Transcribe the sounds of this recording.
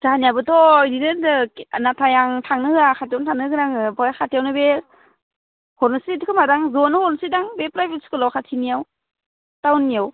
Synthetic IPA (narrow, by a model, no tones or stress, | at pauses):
zanijabɯtɔjdinɯdɯnatʰajaŋtʰaŋnɯɯakʰatijawntʰaŋnɯɡɯnaŋɯbɔjakʰatijawnɯbe | hɔɾnɯsiɾitɯkʰɯmadaŋzɔnɯhɔɾnsidaŋbepɾajbilskɯlawkʰatʰinijaw | tawnːijaw